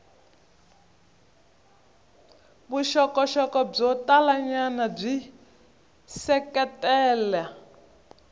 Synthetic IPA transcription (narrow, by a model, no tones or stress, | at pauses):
buʃɔkɔʃɔkɔb͡ʐɔtalaɲanab͡ʐi | sɛkɛtɛːlɛ